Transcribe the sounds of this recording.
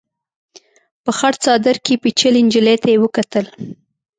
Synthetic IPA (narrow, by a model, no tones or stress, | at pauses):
pəxaɽt͡sɑd̪əɾkepit͡ʃəlɪnd͡ʒəlet̪ajewəkat̪əl